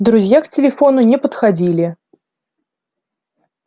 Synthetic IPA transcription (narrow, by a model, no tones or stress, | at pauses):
d̪ɾuzʲjakt͡sʲɪlʲɛfɔnʊnʲɛpət̪xad͡zʲilʲɪ